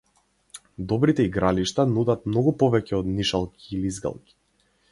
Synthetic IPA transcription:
d̪ɔbɾit̪ɛiɡɾaliʃt̪anud̪at̪̚mnɔɡupɔvɛcɛɔd̪niʃalˠkʰʲiːlizɡa̰lˠkʲi̥

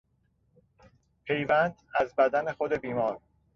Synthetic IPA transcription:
pʰe̞jvænd̪̥æzbæd̪ænexod̪e̞biːmɒːɾ

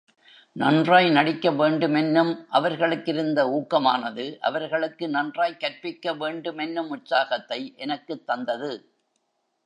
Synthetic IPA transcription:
nɐndraːjnɐɽɪkːɐʋeːɳɖɯmɛnːɯmʔɐʋɐɾɣɐɭɯkːɪɾɯnd̪ɐuːkːɐmaːnɐðɯʔɐ̰ʋɐɾɣɐɭɯkːɯnɐndraːjkːɐɾpɪkːɐʋeːɳɖɯmɛnːɯmʊʈsaːɣɐt̪ːɐɪʔɛnɐkːɯt̪ːɐnd̪ɐðɯ

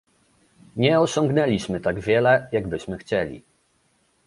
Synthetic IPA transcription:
ɲɛɔɕɔŋɡnɛlʲiɕmɘt̪aɡvʲjɛlɛjaɡbɘɕmɘxt͡ɕɛlʲḭ

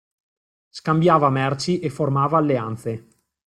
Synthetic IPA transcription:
skambjaːvamɛrt͡ʃiʔefːormaːvaːlːeant̪se

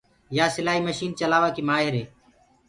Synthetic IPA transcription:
jaːsɪlaːɦiːməʃiːnt͡ʃəlaːʋaːkiːmaːɦeɾeː

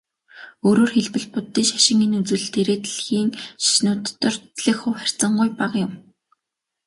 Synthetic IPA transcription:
oːɾoːrxeɮpɘ̆ɮpʊt̪ːiːʃḁʃɪ̆ŋinut͡sɘ̆ɮt̪ʰeɾeːt̪ɮxiːŋʃi̥ʃnʊːt̪ːɞ̆rɮĭkχʊwχær̥ʲt͡sə̆ɴɢʊjpaqjʊm

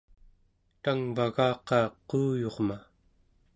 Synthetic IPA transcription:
t̪aŋvaɣɑːqɑːquːjo̞ʁma

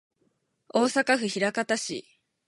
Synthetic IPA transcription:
o̞ːsakaɸɯ̟çiɾakat̪aɕḭ

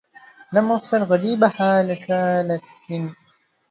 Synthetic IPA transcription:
lamʊxsalɣaɾiːbaħaːlakaːlatɪn

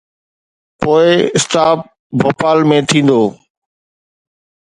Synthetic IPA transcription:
poːɪɪst̪aːp̚ | bʱoːpaːlmẽːt̪ʰĩːn̆d̪oː

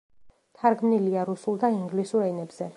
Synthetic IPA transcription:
t̪ʰaɾɡmniliaɾusulˠd̪aiŋɡlisuɾɛnɛbz̥ɛ

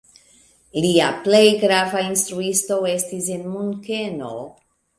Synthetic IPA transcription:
liaple̞jɡɾavainstɾuisto̞e̞stis̬e̞nmunke̞no̞̰

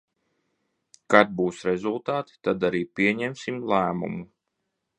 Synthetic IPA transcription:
kad̪̚buːsɾezulˠt̪aːt̪i̥t̪ad̪aɾiːpʲiɛɲɛmsimlˠæːmṵmu

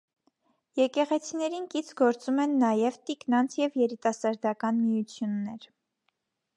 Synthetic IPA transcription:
jɛkɛʁɛt͡sʰinɛɾinkit͡sʰɡɔɾt͡sumɛnːɑjɛvt̪iknɑnt͡sʰjɛvjɛɾit̪ɑsɑɾd̪ɑkɑnmijut͡sʰjunːɛɾ

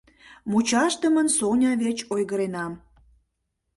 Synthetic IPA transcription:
mut͡ɕɑʃt̪ə̆mənsonʲɑβet͡ɕojɣəɾenɑm

